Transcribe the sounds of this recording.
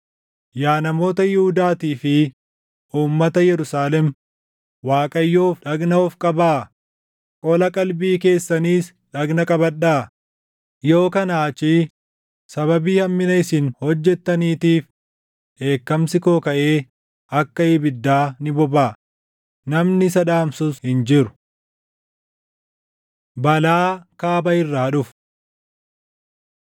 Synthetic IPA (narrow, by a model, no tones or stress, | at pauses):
jaːnɐmo̞ːt̪ɐjɪhʊd̪aːt̪iːfɪ | ʔuːmːɐt̪ɐjɛɾʊsaːlɛm | waːkʼɐjːo̞ːfᶑɐɡnɐɔfkʼɐbaː | kʼɔlɐkʼɐlbiːke̞ːsːɐniːs | ᶑɐɡnɐkʼɐbɐɗːaː | jo̞ːkɐnaːt͡ʃiː | sɐβɐbiːhɐmːɪnɐɪsɪnhɔd͡ʒːɛt̪ːɐniːt̪iːf | ʔe̞ːkːɐmsɪkoːkɐʔe̞ː | ɐkːɐɪbɪd̪ːaːnɪbɔbaː | nɐmnɪsɐᶑaːmsʊshɪnd͡ʒɪɾʊ̥ | bɐlaːkaːbɐɪrːaːᶑʊf